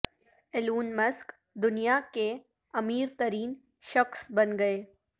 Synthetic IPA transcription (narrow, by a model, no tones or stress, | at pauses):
ɪluːnmɐsk | d̪ʊnijake | ɐmiːɾt̪ɐɾiːn | ʃɐxsbɐnɡɐeː